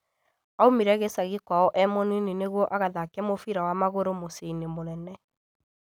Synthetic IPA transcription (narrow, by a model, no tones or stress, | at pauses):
aomiɾɛɣesaɣekwaɔʔɛmɔninineɣwɔʔaɣaðakɛmofiɾawamaɣoɾomoseinemoɾɛnɛ